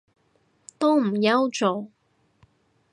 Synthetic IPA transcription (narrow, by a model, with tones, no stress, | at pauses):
t̪o˥wm̩˨˩jɐ˥wt͡so˨˩